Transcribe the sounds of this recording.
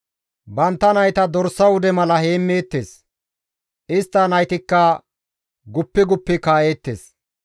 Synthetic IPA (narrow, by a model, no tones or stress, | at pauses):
bɐnt̪ːɐnɐjt̪ɐd̪ɔɾsːɐwʊd̪ɛmɐlɐheːmːeːt̪ːeːs | ʔɪst̪ːɐnɐjt̪ɪkːɐ | ɡʊpːɪɡʊpːɪkaːje̞ːt̪ːḛːs